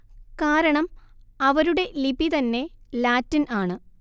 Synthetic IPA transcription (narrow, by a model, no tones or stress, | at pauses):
kaːɾɐɳɐmɐʋɐɾuɽe̞libit̪ɐnːe̞laːtːɐnaːɳɨ